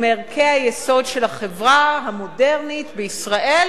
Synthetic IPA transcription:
meʁkʰehajeso̞dʃelaχevʁaɦamo̞de̞ʁnit̪beisʁaʔel

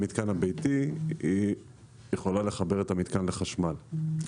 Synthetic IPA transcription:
mit̪kanhabejtii | jeχo̞lale̞χabe̞ʁetamit̪kanle̞χaʃmal

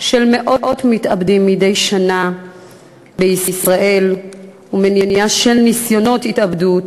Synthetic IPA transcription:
ʃe̞lme̞ʔo̞ʔo̞tmitabdimːide̞jʃana | beisisʁaʔe̞l | umenenijaʃe̞lnisjo̞no̞thitabdut

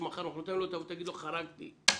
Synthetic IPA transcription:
maχaɾnaχlot̪alot̪avut̪aɡid̪loχaɾaɡt̪ḭ

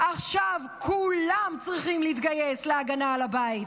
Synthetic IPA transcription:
ʔaχʃavkʰulamt͡sʁiχimliit̪ɡajesleaɡanalabait

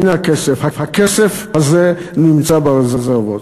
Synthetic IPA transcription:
inakesefhafhakesefhazenimt͡sabaʁezezeʁvot̪

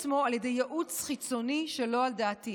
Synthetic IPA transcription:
mo̞alje̞dejːaʔut͡sχit͡so̞niʃelo̞aldaːti

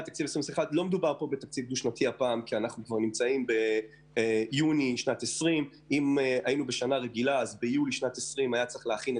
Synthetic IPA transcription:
t̪ːak̚t͡sivesʁimesiχatlo̞med̪ubaʁpo̞bet̪ak̚t͡sivk̚d̪uʃnatʰiapaːmkianaχnukvaʁnimt͡saimbe̞ | juniʃnat̪esʁim | imajinubeʃanaʁe̞ɡilaːzbejuliʃnat̪esʁimajat͡seχleaχin

